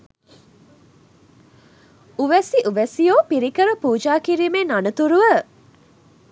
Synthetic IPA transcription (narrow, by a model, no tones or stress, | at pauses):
uʋæsiʔuʋæsijoːpiɾikəɾəpuːd͡ʒaːkiɾiːmenanət̪uɾuʋə